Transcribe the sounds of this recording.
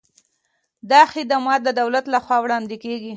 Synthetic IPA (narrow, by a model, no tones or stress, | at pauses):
d̪ɑxɪd̪amɑt̪̚d̪əd̪awlat̪laxwɑwɽɑnd̪ekeɡi